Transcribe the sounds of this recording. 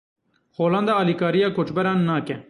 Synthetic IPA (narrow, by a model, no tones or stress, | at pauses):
xoːlɐ̃nd̪aːɐlikaːɾijaːkot͡ʃbɐɾãːnːaːkẽ